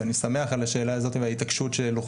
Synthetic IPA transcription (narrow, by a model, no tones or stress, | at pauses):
anisame̞aχalaʃe̞ːlaːzo̞t̪iveait̪akʃut̪ʃeloχ